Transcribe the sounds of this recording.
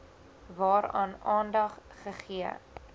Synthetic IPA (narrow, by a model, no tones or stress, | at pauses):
vɑːɾɑːnɑːndɐχ | χəχiə̰